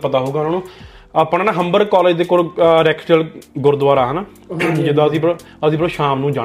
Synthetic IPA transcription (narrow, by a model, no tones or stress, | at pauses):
pət̪aːɦuːɡaːnãːnũː | aːpnːnaɦəmbəɾkɔːleːd͡ʒd̪eːkoɾɾɛːkʈəlɡʊɾd̪ʊʋaːɾaːɦənaː | d͡ʒɪd̪ãːəsĩːpɾ | əsĩːbəɾoːʃaːmnũːd͡ʒaː